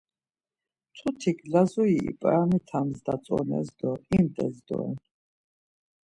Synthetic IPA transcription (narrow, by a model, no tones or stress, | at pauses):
t̪ʰut̪ʰikʰlazɔiḭpʼaɾamit̪ʰamzd̪at͡sʼɔnɛ̰zd̪ɔimd̪ʼɛzd̪ɔ̰ɛ̰n